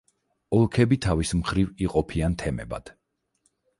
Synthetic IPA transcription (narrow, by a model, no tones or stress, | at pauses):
ɔlˠkʰɛbit̪ʰavismχɾiviqʼɔpʰiant̪ʰɛmɛ̰ba̰d̪̥